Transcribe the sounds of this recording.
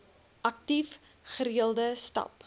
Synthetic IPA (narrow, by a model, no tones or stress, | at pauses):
ʔɐk̚tif | χəɾiəlˠdəstɐ̰p